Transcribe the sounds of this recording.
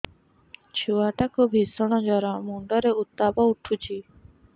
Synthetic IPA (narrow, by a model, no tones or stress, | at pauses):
t͡ʃʰuwaʈakubʱisɔɽ̃ɔd͡ʒɔɾamuɳɖɔɾeut̪ːapɔuʈʰut͡ʃʰi